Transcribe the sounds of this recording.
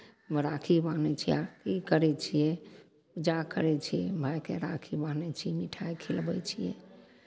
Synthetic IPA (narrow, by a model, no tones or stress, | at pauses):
mɾakʰibanɛt͡ʃʰia̰kikəɾɛt͡ʃʰijɛ | ud͡ʒakəɾɛt͡ʃʰijɛbʱajkeɾakʰibanɛt͡ʃʰiɛmiʈʰajkʰilbɛt͡ʃʰijɛ̰